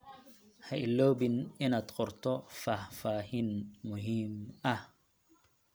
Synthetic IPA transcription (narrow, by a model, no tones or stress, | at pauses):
haʔilːobininat̪qɔɾt̪ɔfahfahinmuɦima